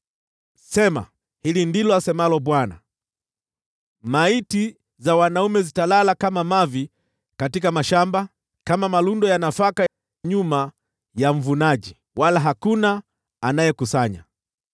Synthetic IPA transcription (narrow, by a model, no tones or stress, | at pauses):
sɛma̰ | hilindilɔasɛmalɔbwana̰ | maiti | zawanaumɛzitalalakamamavi | katikamaʃamba | kamamalundɔjanafaka | ɲuma | jaɱ̩vunaʄi | walaɦakuna | anajɛkusaɲa̰